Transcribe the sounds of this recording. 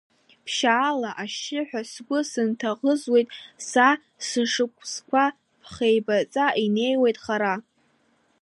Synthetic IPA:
pʰʃaːlaʔaʃɪħʷᶣasɡʷʊsɨntʰaʁəzwe̞jtʼsa | sɨʂɨkʷʰʼskʷa | pʰχejbat͡sʼaine̞jwejtʼχaɾa

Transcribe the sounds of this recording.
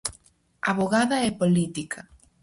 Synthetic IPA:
a̰βoɣaðɐɛpolit̪ikʰɐ

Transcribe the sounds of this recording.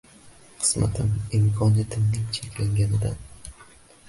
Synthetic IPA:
qʰɨ̥sma̰t̪ʰɪmɪmkʰɒnijat̪ʰɪmnɪŋt͡ʃʰekʲlaŋɡʲanɪd̪an

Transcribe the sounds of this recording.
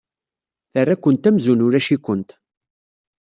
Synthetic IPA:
θərːækʷːənt̪æmzunʊɾæʃikʷːənt̪

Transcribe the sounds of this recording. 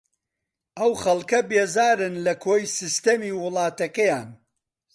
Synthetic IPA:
ʔɐwχɐlˠkɐbeːzaːɾɨnlɐkʰoːjsist̪ɐmiːwʊlˠɑːt̪ɐkɐjaːn

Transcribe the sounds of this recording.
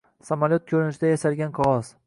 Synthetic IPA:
samalʲjot̪̚kʲʰɵɾɪnɪʃɪd̪ajaʃaɾɡʲanqʰɒʁɒs

